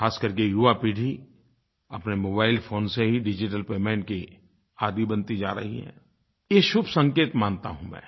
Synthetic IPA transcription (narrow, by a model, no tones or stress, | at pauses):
aːskɐɾkejuʋapiːɽ̤i | ɐpnemoːbaːɪlfʰoːnseɦiɖɪd͡ʒɪʈəlpeːmẽːɳʈ̚ki | aːd̪ibɐ̃nt̪id͡ʒaːɾɐ̰ɦḭɦɛ̰̃ː | jeʃʊbʱsɐ̃ŋkeːt̪mãːnt̪aɦũmɛ̰̃ː